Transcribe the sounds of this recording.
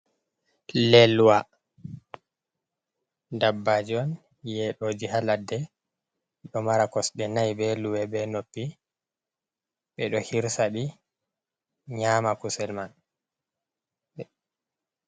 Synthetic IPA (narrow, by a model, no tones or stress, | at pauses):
lɛlwa | dabːad͡ʒiɔn | jɛɗoːd͡ʒihaladːɛ | ɗɔmaɾakɔsɗɛnajbɛluwɛbɛnopːi | ɓɛɗɔhiɾsaɗi | ɲaːmakusɛlman | ɛ